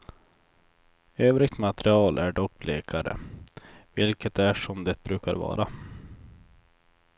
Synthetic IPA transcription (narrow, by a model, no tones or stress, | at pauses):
øːvɾɪɡ̚t̪mat̪ɛɾɪɑːlʔæɖɔk̚ːbleːkʰaɾə̰ | vɪlkət̪æʂɔmd̪ɛt̪̚bɾʉ̟ːkaɾvɑ̰ːɾa